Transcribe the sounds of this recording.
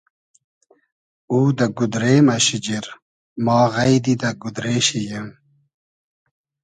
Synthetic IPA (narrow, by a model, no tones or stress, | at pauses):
uːd̪ɐɡud̪ɾeːmɐɕid͡ʑiɾ | maːɣɐjd̪id̪ɐɡud̪ɾeːɕijem